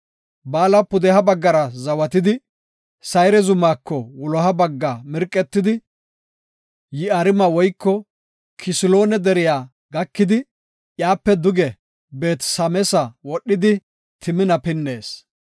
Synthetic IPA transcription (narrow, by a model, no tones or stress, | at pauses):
baːlɐpʊd̪ɛhɐbɐɡːɐɾɐzɐwɐt̪ɪd̪ɪ | sɐjɾɛzʊmaːkʰːɔwʊlɔɦɐbɐɡːamɪɾkʼːɛt̪ːɪd̪ɪ | jɪɐɾɪmɐwɔjkːɔ | kʰɪsɪlo̞ːnɛd̪ɛɾɪjaː | ɡɐkːɪd̪ɪ | ʔjaːpːɛd̪ʊɡɛ | be̞ːt̪sɐmɛsɐwɔɗːɪd̪ɪ | t̪ʰɪmɪnɐpɪnːe̞ːs